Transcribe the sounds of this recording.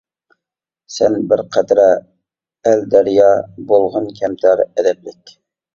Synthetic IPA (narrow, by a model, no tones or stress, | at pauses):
sɛnbɪɾqʰæd̪ɾɛ | æld̪æɾjɑbolˠʁɑnkʲʰɛmt̪ʰæɾɛd̪ɛblɪkʲ